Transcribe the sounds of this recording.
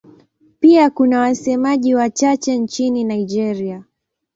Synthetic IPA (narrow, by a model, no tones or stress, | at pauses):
piakunawasɛmaʄiwat͡ʃat͡ʃɛnt͡ʃininaid͡ʒɛɾia